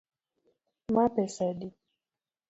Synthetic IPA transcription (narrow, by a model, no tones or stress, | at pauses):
mapɛsadi